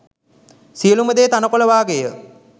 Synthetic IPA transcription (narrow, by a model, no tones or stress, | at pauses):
sijəluməd̪eːt̪anəkoləʋaːɡejə